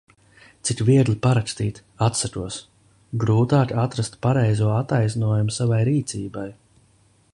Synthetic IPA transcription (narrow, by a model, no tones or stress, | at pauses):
t̪sikviɛɡ̪lipaɾakst̪iːt̪ | at̪sak̪uɔs | ɡɾuːt̪aːkʲat̪ɾast̪paɾɛjzuɔat̪ajznuɔjumʊsavajɾiːt̪siːbaj